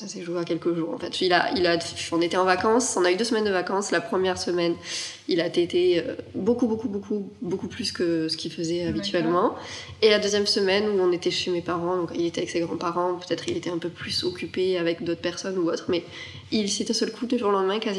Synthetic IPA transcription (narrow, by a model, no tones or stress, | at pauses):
sasɛʒueakʲɛlkəʒuːʁɑ̰̃fɛt̪ila̰ilaɔ̃net̪eɑ̃vakɑ̃sɔ̃nayd̪øsəmɛnd̪əvakɑ̃slapχəmjɛʁsəmɛn | ilat̪et̪eøbokubokubokʰubokuplyskəsə̥kʲilfəzɛabit̪ɥɛlmɑ̃ | elad̪øzjɛmsəmɛnuɔ̃net̪ɛʃemepaʁɑ̃d̪ɔ̃kilet̪ɛavɛkseɡʁɑ̃paʁɑ̃pø̥t̪ɛt̪χilet̪ɛɛ̃pøplysɔkʲypeavɛkd̪ot̪χəpɛʁsɔnuot̪χmɛ | ilsɛt̪ɛ̃sœlkʰud̪øʒuʁlɑ̃d̪mɛ̃kaz